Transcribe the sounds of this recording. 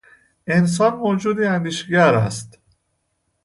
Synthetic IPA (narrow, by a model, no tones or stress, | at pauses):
ʔe̞ns̬ɒːnmod͡ʒuːd̪iːænd̪iːʃeɟæɾæst̪